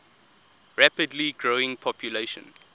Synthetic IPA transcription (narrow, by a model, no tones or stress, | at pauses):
ɹæpədliɡɹoɪ̃ŋpʰɔpʰjuleʃə̰̃n